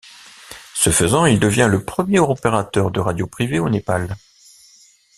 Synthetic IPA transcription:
səfəzɑ̃ild̪əvjɛ̃ləpχəmjeʁopeʁat̪œʁd̪əʁad̪jopχiveonepal

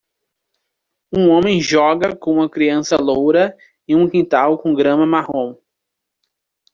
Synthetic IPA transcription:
ũõmẽj̃ʒɔɡɐkõũmɐkɾiɐ̃sɐlowɾɐ | iũkĩnt̪awkõɡɾɐ̃mɐmahõw̃

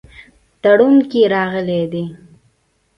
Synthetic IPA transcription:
t̪aɽunkeɾɑɣəled̪e

